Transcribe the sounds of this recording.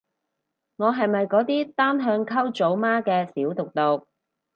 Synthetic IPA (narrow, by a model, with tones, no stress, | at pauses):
ŋɔː˨˧ɦɐ˨jmɐ˨jkɔː˨˥t̪iː˥t̪aː˥mɦœː˧ŋkʰɐ˥wt͡so˨˥wmaː˥kɛː˧siː˨˥wt̪ʊ˨k̚t̪ʊ˨k̚